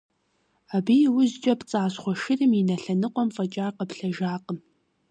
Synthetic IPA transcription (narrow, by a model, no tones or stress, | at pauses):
abijwʊzt͡ʃʼɐpt͡sʼaːsχʷɔʃɪrɨminɐɬɐnɨqʷʼɔmfʼɐt͡ʃʼaːqəpɬɐʒaːqəm